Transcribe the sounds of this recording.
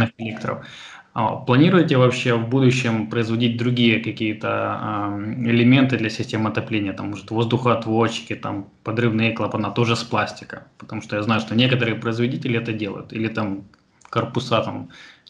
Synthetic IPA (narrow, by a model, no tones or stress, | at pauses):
ɨxɪlʲekt̪ɾə̰f | əplˠɐnʲiɾʊjɪtʲɪvɐpɕːe̞vbud̪ʊɕːɪmpɾəɪzvɐdʲit̚ʲd̪ɾʊɡʲijəkɐkʲijət̪ə̰ | ɪlʲɪmʲe̞nt̪ɨd̪lʲɐsʲɪsʲtʲeməɐt̪ɐplʲenʲɪjət̪amːuʐɨt̪vo̞zd̪ʊxəɐt̪vot͡ɕɪ̥kʲɪt̪am | pɐd̪ɾɨvnɨjklˠapɐnat̪o̞ʐɨsplˠasʲtʲɪ̥kə̰pə̥t̪ɐmuʂt̪ojaznajʊʂt̪onʲe̞kət̪əɾɨjəpɾəɪzvɐdʲitʲɪlʲɪɛt̪ədʲelˠə̰jʊ̰t̪ilʲɪt̪am | kərpʊsat̪a̰m